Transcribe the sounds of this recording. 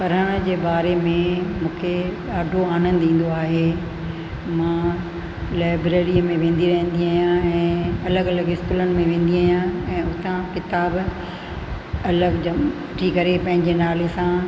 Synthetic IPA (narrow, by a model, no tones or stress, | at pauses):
pɐɾəɽ̃ə̆d͡ʑeːbaːɾemẽmũːkʰe | aːɖʱoaːnə̃nd̪ĩːn̆d̪oaːɦeː | mãː | laːɪbɾeːɾiəmẽʋẽːn̆d̪ʱiɾɐɦə̃n̆d̪iaːjãɛ̃ːɐləɡɐləɡɪskuːlənɪ̆mẽʋẽːn̆d̪iaːjãɛ̃ːʊt̪ʰãkɪt̪aːb | ɐləɡd͡ʑɐm | ʈʰikɐɾepɐ̃ɦɪ̃ɲd͡ʑenaːlesã